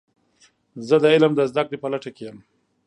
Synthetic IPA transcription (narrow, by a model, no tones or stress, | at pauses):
zəd̪əɪlmd̪əzd̪akɽepəlaʈakejəm